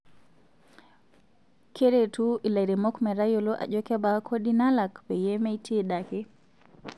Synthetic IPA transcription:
kɛɾɛtuʔilaɾɛmɔkmɛɾajɔlɔʔa̰ʄɔkɛbakʰoɗinalakbɛjɛmɛjtʰiɗakɛ

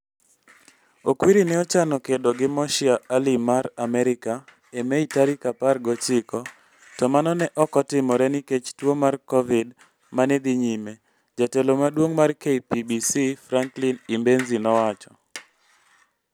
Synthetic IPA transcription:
okwiɾinɛɔt͡ʃanɔkedoɡɪmɔʃɪaʔalimaɾamɛɾɪka | emeitaɾikaparɡɔt͡ʃɪkɔ | tɔmanɔnɛʔɔkɔtɪmɔɾɛniket͡ʃtwomarkɔvɪd | maned̪iɲime | d͡ʒatelomadwoŋmarkeipibisifɾaŋklinimbenzinɔwat͡ʃɔ

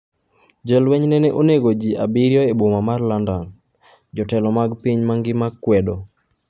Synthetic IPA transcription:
d͡ʒɛlwɛɲnɛnɛʔoneɡod͡ʒiʔa̰biɾjɔebomamarlandan | d͡ʒɔtɛlɔmaɡpiɲmaŋɡɪmakːwɛdɔ

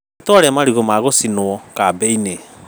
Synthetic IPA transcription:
tɔɾɛamaɾiɣomaɣosinoɔkabɛine

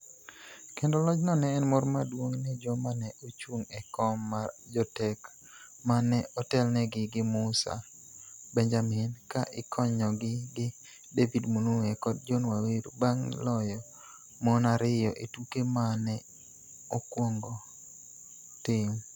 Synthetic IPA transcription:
kendolɔt͡ʃnɔnɛːnmɔrmadwoŋnɛd͡ʒɔmanɛʔot͡ʃuŋɛkɔmːad͡ʒɔtɛk | manɛʔɔtɛlnɛɡɪɡɪmʊsa̰ | bɛnd͡ʒamɪnkaʔɪkʰɔɲɔɡɪɡɪ | devidmonuɛkɔd̚d͡ʒonwaweɾbaŋlɔjɔ | mɔnaɾɪjɔʔetukemanɛ | okwoŋɡɔ | tɪŋ

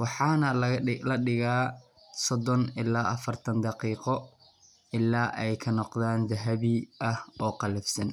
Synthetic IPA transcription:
wɑħɑːnɐlɐlɐɖɪɣaː | sɔd̪ɔnɪlaːʔɐfɐrt̪ʰɐnd̪ɑqiːqɔ | ɪlaːʔɛjkʰɐnɔqd̪aːnd̪ɐɦɐβiʔɐhɔːqɑlɛfsɐn

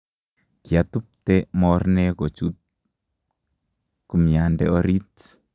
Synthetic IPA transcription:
kjat̪up̚tɛmɔrnɛkot͡ʃut̪̚ | kumjandɛ̰ɔɾit̪

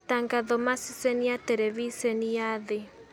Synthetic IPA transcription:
taŋɡaðɔmasisɛniat̪ɛɾɛβisɛniaðɪ

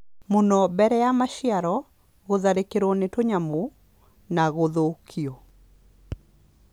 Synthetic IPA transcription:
monɔbɛɾɛjamaʃiaɾɔ | ɣoðaɾekeɾonetoɲamo | naɣoðokʰio

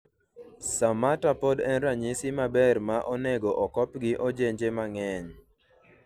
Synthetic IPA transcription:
samatapodɛnɾaɲisɪmabɛrmaʔɔnɛɡoʔɔkɔpɡɪʔɔd͡ʒeɲd͡ʒemaŋɛɲ

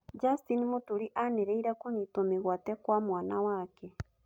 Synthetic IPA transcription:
d͡ʒastinimotuɾiʔaneɾɛiɾakoɲitomeɣwatɛkwamwaːnawakɛ

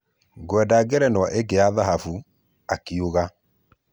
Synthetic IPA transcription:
ɡwɛdaɡɛɾɛnwaʔeɡeaðaɦafu | akioɣa

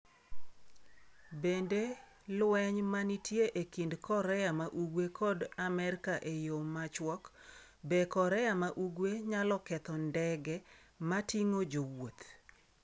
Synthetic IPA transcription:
bende | lwɛɲmanitjeʔekindkɔɾɛjamaʔuɡwekʰɔdamɛrkaʔejomat͡ʃwɔk | bɛkɔɾɛamaʔuɡweɲalɔkɛt̪ɔndɛɡɛ | matiŋod͡ʒowot̪

